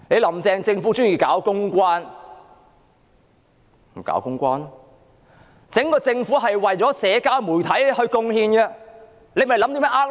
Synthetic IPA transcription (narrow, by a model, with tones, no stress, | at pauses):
ne˨˧jlɐ˨˩mt͡sɛː˧ŋt͡sɪ˧ŋfuː˨˥t͡ʃʊː˥ŋjiː˨kaː˨˥wkʊ˥ŋkʷaː˥n | m̩˨˩ka̰ː˨˥wkʊ˥ŋkʷaː˥nɔ | t͡sɪ˨˥ŋkɔː˧t͡sɪ˧ŋfuː˨˥ɦɐ˨jwɐ˨jt͡sɔː˨˥sɛː˨˧kaː˥wmuː˨˩jt̪ʰɐ˨˥jhɵ˧ɥkʊ˧ŋhiː˧nɡɛ˧ | le˨˧jm˨˩jlɐ˨˥mt̪i˧˥mɛː˥ʔaː˥k̚